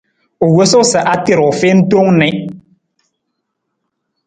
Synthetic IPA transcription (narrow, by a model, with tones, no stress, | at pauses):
o˨we˦sʊ˦sɛ˨ʔa˦tɪ˨ɾɔ˨fe˦n̩˦to˦ŋnɪ̃˨˦